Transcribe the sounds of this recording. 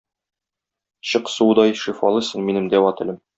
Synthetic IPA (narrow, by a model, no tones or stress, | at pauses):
ɕɤqsud̪ɑjʃifɑlˠɤsɤ̆ɴminɘ̆md̪æwɒt̪ɘ̆lɘm